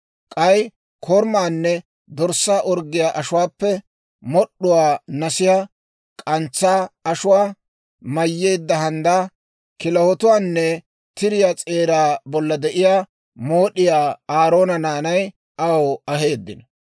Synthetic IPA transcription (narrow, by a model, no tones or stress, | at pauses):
kʼɐj | kʰɔɾmaːnːɛ | d̪ɔɾsːaːʔɔɾɡɪjaːʔɐʃʊwaːpːɛ | mɔɗːʊwaːnɐsɪjaː | kʼɐnt͡sːaːɐʃʊwaː | mɐjːeːd̪ːɐɦɐnd̪aː | kɪlɐwɔt̪ʊwaːnːɛ | t̪ɪɾɪjaːt͡sʼe̞ːɾaːbɔlːɐd̪ɛʔɪjaː | moːɗɪjaːaːɾo̞ːnɐnaːnɐj | ʔɐwɐɦe̞ːd̪ːɪnɐ